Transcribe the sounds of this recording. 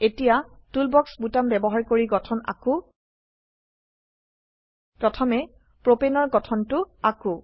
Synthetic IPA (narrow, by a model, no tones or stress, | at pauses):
etijatulbɔksbutambɛbɔɦaɹkoɹiɡɔtʰɔna̰kʊ | pɹɔtʰɔmɛ | pɹopenɔɹɡɔtʰɔntʊakʊ̃